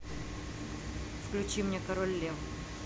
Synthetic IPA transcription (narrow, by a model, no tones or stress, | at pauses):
fklʲʉt͡ɕimnʲekɐɾolʲːev